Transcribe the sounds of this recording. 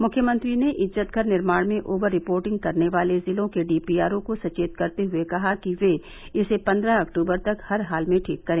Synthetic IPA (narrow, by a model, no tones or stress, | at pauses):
mʊkʰjəmə̃nt̪ɾineʔɪzzət̪ɡʱɐɾnɪɾmaːɽ̃mẽʔoːbəɾːɪpoːɾʈɪ̃ŋɡ̚kɐɾneʋaːlezɪlõkeɖiːpiːaːɾõkosɐt͡ʃeːt̪kɐɾt̪eɦʊekɐɦakiʋe | ɪsepɐ̃nd̪ɾaɐkʈuːbəɾt̪ɐkhɐɾɦaːlmẽʈʰiːkːɐɾẽː